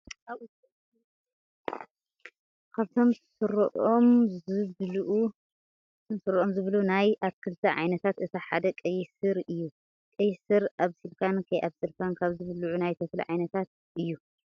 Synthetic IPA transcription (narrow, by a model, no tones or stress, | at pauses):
ʔaβut̪ | kʰaβt̪ʰo̞msɨɾʔomzɨβlʔ | t̪ʰomsɨɾʔomzɨβlunajʔaβkʰɨlt̪ʰɐʕa̰jnɐt̪ʰat̪ɨt̪ʰaħa̰d̪ɐkʼɐjsɨɾɨjːu | kʼɐjsɨɾʔaβsɨlkʰankʰɐjʔaβsɨlkʰankʰaβzɨβluʕunajt̪ʰɐflɐ̰ʕajnɐt̪ʰat̪̚ | ʔɨjːu